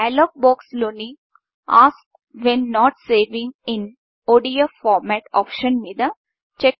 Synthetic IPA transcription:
ɛlɔːk̚bɔːksloːni | aːsʈ | ʋẽnːɔːʈseːʋɪ̃ŋɪ̃n | oːɖiofɔːɾmæʈɔ̰ːpʃə̃nmid̪a | t͡ʃe

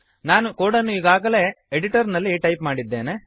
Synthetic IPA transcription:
naːnukoːɽɐnːuiɡaːɡɐle̞ːeɽiʈɐɾnɐlːiʈɐjpmaːɽid̪ːe̞ːne

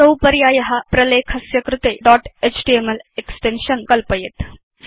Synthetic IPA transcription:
səwpəɾjaːjɐɦapɾɐlekʰɐsjɐkɾɪt̪eɖɔʈet͡ɕʈiemeleksʈenʃənkɐlpəjet̪

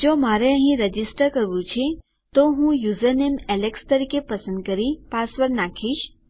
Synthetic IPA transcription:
d͡ʒomaɾeəɦĩɾəd͡ʒisʈəɾkəɾʋũt͡ʃʰe | t̪oɦũjuzəɾnemɛlekst̪əɾikepəsə̃nd̪̚kəɾipasʋəɾnakʰiʃ

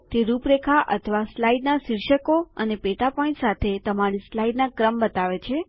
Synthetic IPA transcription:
t̪eɾupɾekʰaʔə̰t̪ʰəʋaslaiɖnasiɾʃəkoənepeʈapɔ̃ĩsat̪ʰet̪əmaɽ̃islaiɖnakɾəmbət̪aʋet͡ʃʰe

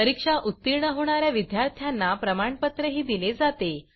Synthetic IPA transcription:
əɾikʂaʔut̪ːiɾɳəɦoɽ̃aɾjaʋid̪jaɾt̪ʰjanːapɾəmaɳpət̪ɾəɦiːd̪iled͡zat̪e

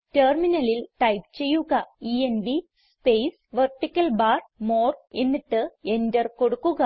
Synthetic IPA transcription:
terminɐlilʈɐjp̚t͡ɕe̞jːuɣɐienʋi | spejsʋɐrʈːikʲːɐlbaːrmoːre̞nːiʈːɨe̞ndɐrko̞ɽukːuɣɐ

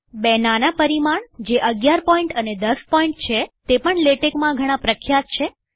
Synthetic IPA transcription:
bɛɦnanapəɾimaɳd͡ʒeʔəɡjaɾpɔiɳʈəned̪əspɔiɳʈ̚t͡ʃʰet̪epəɳleʈekmãɡʱəɽ̃ãpɾəkʰjat̪̚t͡ʃʰe

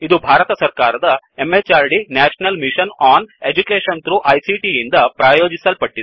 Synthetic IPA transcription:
id̪ubʱaːɾɐt̪ɐsɐɾkaːɾɐd̪ɐemet͡ʃaːɾɖinaːʂɐnɐlmiʃɐnaːned͡ʒukeːʃɐnt̪ɾuʔɐjsiʈiind̪ɐpɾaːjoːd͡ʒisɐlpɐʈːid̪u

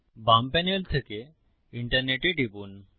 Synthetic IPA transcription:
bampɛnelt̪ʰeke | iɳʈəɾneʈeʈibuːn

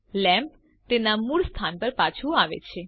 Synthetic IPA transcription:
lɛ̃mp | t̪enamuɭst̪ʰanpəɾpat͡ʃʰuaʋḛt͡ʃʰe

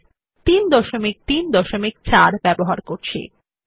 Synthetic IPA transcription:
t̪ind̪ɔʃomik̚t̪ind̪ɔʃomik̚t͡ɕaɾbɛboɦaɾkoɾt͡ɕʰḛ

